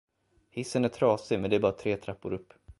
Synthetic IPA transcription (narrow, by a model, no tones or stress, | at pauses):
hɪsːənæʈʰɾɑːsɪmɛnd̪ɛæɾbɑːɾat̪ʰɾeːt̪ʰɾapːʊ̰ɾɵpː